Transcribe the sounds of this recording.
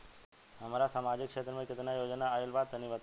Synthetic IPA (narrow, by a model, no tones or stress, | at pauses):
ɦɐmaɾasaːmaːd͡ʑɪkʃeːt̪ɾəmẽkɪt̪ɪnajoːd͡ʒnaːɪlbaːd̪̚t̪ɐnĩʋət̪